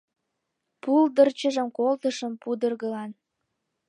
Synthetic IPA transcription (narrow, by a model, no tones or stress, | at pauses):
puld̪ərt͡ɕəʒəmkolt̪əʃəmpud̪ərɣəlɑn